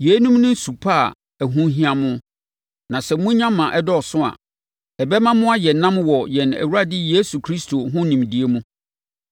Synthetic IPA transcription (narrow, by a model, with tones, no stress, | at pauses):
je˨˦nũ˦mnʊ̃˦n̩˦su˨pʰa˦˨ | æ˨ɦũ˦ɦĩ˦ã˦mʊ̃˦ | nã˨sɛ˨mũ˦ɲã˦mːã˨ʔɛ˦dɔ˦˨sʊ̃˦a̰˨ | ɛ˨bɛ˦mã˦mʊ̃˦a˦jɛ˨nːã˦mwɔ˨jɛ˨næ̰˨wu˦ɾa˦dɪ˦jeː˦su˨kʰɾi˦stʰo˨ɦʊ̃˦nĩ˨mdi˨e˦mũ˦